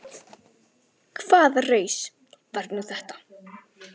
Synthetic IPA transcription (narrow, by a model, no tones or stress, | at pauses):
kʰv̥aːðareːjs | vaɾ̥t̪nuθɛht̪ḁ